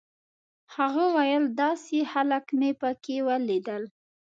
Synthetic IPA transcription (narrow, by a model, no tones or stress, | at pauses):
haɣawajəld̪ɑsehalakmepəkewəlid̪əl